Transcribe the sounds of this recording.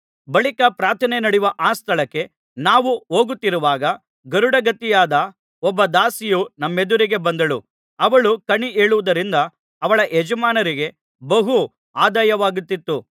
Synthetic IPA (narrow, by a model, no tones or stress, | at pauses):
bɐɭikɐpɾaːt̪ʰɐnenɐɽiʋɐʔaːst̪ʰɐɭɐkːe̞ | naːʋuoːɡut̪ːiɾuʋaːɡɐ | ɡɐɾuɽɐɡɐt̪ːijaːd̪ɐ | ɔbːɐd̪aːsijunɐmːe̞d̪uɾiɡe̞bɐnd̪ɐɭṵ | ɐʋɐɭukɐɳiʔeːɭuʋud̪ɐɾind̪ɐː | ʋɐɭɐʔed͡ʒɐmaːnɐɾiɡe̞ | bɐɦu | aːd̪aːjɐʋaːɡut̪ːit̪ːu